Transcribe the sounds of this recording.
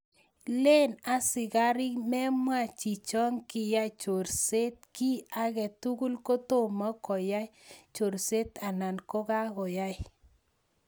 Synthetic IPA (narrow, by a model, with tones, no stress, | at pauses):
le˦na˦sɪ˨ɣa˦ɾɪ˦mɛ˦mwa˨t͡ʃi˨t͡ʃɔ˦ŋkɪ˨ja˦t͡ʃo˨ɾse˦t̪̚ki˦a˦ɣɛ˨tu˦ɡu˦lko˦to˦˨mɔ˦kɔ˨ja˦jt͡ʃo˨ɾse˦t̪a˨na˨nko˦ɣa˦ɣɔ˨ja˦j